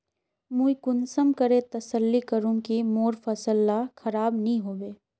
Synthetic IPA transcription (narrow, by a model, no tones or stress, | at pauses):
mũikʊnsəmkəɾet̪ɐsəlːikəɾũkimoːɾfɐsəlːaxɐɾaːbnəĩɦoːʋeː